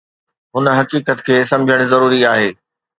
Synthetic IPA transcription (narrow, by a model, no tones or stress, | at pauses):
ɦʊnə̆ɦɐkiːkət̪kʰeːsɐ̃md͡ʑʱəɽ̃zɐɾuːɾiaːɦeː